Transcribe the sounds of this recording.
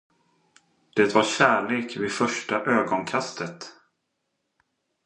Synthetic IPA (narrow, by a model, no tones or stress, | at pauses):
d̪̥ɛt̪vaɾɕæːɭeːkvɪfœʂʈaʔøːɡɔnkʰast̪ʰət̪